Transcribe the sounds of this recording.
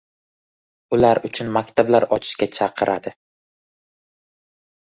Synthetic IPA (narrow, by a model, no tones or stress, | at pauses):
ʊlaɾʊt͡ʃʰʊnmakʲt̪ʰablaɾɒt͡ʃʰɪ̥ʃkʲat͡ʃʰɑqʰɨɾʔad̪ɪ